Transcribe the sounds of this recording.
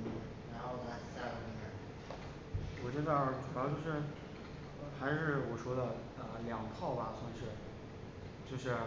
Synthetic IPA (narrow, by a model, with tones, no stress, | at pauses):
ɻa˧˥nxo˥˩d̪ə˧˥˧ɕa˥˩lə˧˩i˥˩˧ | wɔ˨˩t͡ɕɥɛ˧˥d̪ə˧ʈ͡ʂu˨˩˥ʊt͡ɕjo˥˧ʂɻ̩˥˩˧ | xa˧˥ɪʂɻ̩˥˩wɔ˨˩ʂwɔ˥d̪ə˨ | ə˧ljɑ˨˩ŋpʰɑ˥˩ʊbɐ˩swə˧˥nʂɻ̩˥˩ | t͡ɕjo˥˧ʊʂɻ̩˥˩